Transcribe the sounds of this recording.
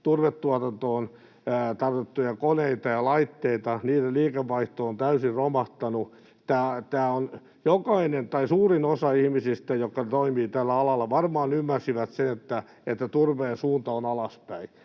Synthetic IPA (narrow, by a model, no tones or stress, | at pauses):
t̪urʋet̪ːuɑt̪ɑnt̪oːnː | t̪ɑrt̪et̪ːujɑkoneit̪ɑjɑlɑit̪ːeit̪ɑniːdeliːkeʋːɑiht̪oːont̪æysirromɑht̪ɑnu | t̪æːt̪æːon | jokɑinent̪ɑisuːrinosɑihmisist̪æjokːɑt̪oimiːt̪ælːæɑlɑlːɑʋɑrmɑːnymːærsiʋæt̪senet̪ːæ | et̪ːæt̪urʋeːnsuːnt̪ɑonɑlɑspæi